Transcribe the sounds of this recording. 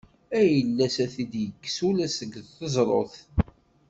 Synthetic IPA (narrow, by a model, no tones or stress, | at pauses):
æjəlːæsæθid̪jəkːsulæsəɡðθəzˤɾˤo̰θ